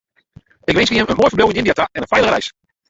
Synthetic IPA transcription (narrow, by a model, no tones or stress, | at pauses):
ɪkʋɪnsfəjɪmənmoːjfəɹblewɪnɪndijataɛnənfɛjləɾɛ̰js